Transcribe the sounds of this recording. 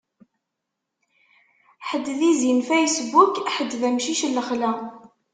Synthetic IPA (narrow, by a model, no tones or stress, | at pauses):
ħəd̪ːðizinfæjəsbukħəd̪ːðæmʃiʃəlːəχlæ